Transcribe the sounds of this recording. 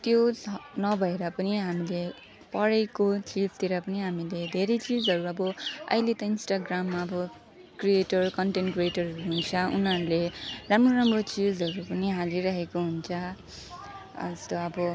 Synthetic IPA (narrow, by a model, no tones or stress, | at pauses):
t̪jonʌbʱʌeɾʌpʌniɦamile | pʌɽekot͡sid͡zt̪eɾʌpʌniɦamiled̪ʱeɾʌjt͡sid͡zɦʌɾuʌbʌʌ̰jlet̪ʌinsʈaɡramːaʌbʌ | krieʈʌrkʌɳʈenʈkrieʈʌrʌɦunt͡sʰʌṵnɦʌɾuleramroɾamrot͡sid͡zɦʌɾupʌniɦaliɾʌɦekoɦunt͡sʰʌ | ʌ̰st̪ʌʌbʌ